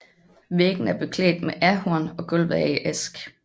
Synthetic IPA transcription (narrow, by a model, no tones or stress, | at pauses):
ʋeɡ̥n̩æɐb̥e̝kʰlḛːd̥meʔæɐhuɐnɒ̽ɡ̥ɔlʋæiʔesɡ̥